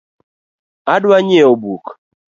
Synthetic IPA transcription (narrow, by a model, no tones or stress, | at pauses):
adwaɲɛobuk